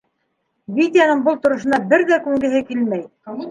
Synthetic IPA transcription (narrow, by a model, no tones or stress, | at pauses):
vʲit̪jɑnɤɴbɤlˠt̪ŏɾŏʃɤ̆nɑbɘɾðækʉŋɡɘ̆ɦɘkilmæj